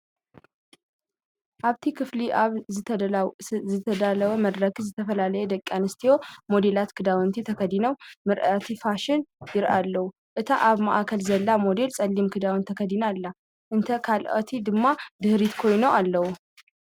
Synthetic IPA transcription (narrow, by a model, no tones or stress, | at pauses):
ʔaβt̪ʰikʰɨfliʔaβɨ | zɨt̪ʰəd̪aləwəməd̪ɾəkzɨt̪ʰəfəlaləjɛd̪əkʼːjanɨst̪ʰiwo̞mo̞d̪e̞lat̪kʰɨd̪awɨnt̪ʰit̪ʰəkʰəd̪inəwmɨɾʔat̪ʰifaʃɪnjɪɾʔalːəwu | ʔɨt̪ʰaʔaβma̰ʔakʰəlzɐlːamo̞d̪e̞lsʼɐlːimkʰɨd̪awnt̪ʰəkʰəd̪inalːa | ʔɨnt̪ʰəkʰalʔo̰t̪ʰid̪ɨmːad̪ɨhɾit̪kʰo̞jnoʔalːəwu